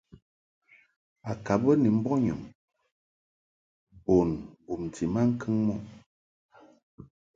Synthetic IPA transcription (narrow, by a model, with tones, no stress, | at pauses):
a˨ka˨bə˦ni˨m̩˦bɔ˦ɲɔ˨m | bo˨nbu˨m˨tʰi˨ma˦ŋ̩˦kʰɨ˦ŋmɔ˦˨